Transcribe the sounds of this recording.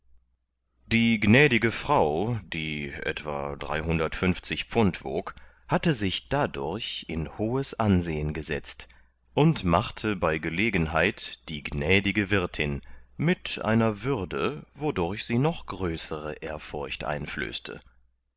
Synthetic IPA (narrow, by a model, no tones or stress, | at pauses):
d̥iːɡnɛːdɪɡəfʁ̥aʊd̥iːʔɛ̰tv̥a̰d̥ʁa̰ɪɦʊndɐtfʏnft͡sɪçpp͡fʊntv̥o̰ːk | hatəzɪçd̥adʊɐçɪnhoːəsʔanzeːənɡəzɛ̰t͡st | ʔʊntmaχtʰəbaɪɡəleːɡən̩ɦaɪtd̥iːɡnɛːdɪɡəvɪɐtʰɪnmɪtʔa̰ɪnɐvʏʁdəvodʊɐçz̥iːnɔχɡ̥ʁøːsəʁə̰ʔeːɐfʊɐçtʔa̰ɪ̃nflø̰ːstʰə̰